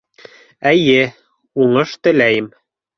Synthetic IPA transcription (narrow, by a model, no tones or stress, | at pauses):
æjɘ | uɴɤʃt̪ɘ̆læjɘm